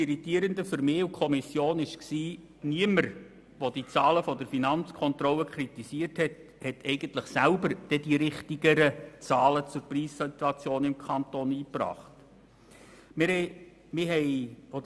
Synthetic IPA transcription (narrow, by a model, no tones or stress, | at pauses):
iɾitiːəɾəndəfʏɾmɪːukʰɔmisjoːnɪʃksiː | niəməɾ | ʋod̥it͡sɑːləfɔdəɾfinɑnt͡skʰɔnt̪ɾɔlːəkʰχɾitisiərthɛt | hɛtʰɛɪɡ̥əntləχsælbəɾd̥ɛdiɾɪχtiɡəɾət͡sɑːlət͡sʊɾpriːssit̪uɑt͡sjoːnɪmkʰɑntoːniːprɑ̰ːχt | mɪ | mɪɦɛɪo